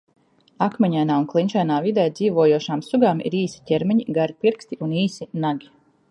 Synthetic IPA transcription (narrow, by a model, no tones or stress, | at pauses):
akmɛɲajnaːunklˠint͡ʃɛjnaːvid̪ɛjd̪ziːvoːjuɔʃaːmsuɡaːmḭɾiːsi̥tʲɛɾmʲɛɲiɡaɾipiɾkst̪iʔuniːsinaɡʲi